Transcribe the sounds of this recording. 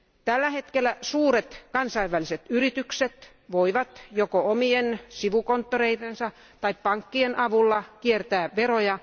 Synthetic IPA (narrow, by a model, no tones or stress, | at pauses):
t̪ælːæhet̪kelːˑæsuːret̪kɑnsɑiʋːæliset̪yrit̪ykset̪ | ʋoiʋɑt̪jokoomiensiʋukont̪ːoreit̪ensɑ | t̪ɑippɑŋkːienʔɑʋulːɑkiert̪æːʋʋerojɑ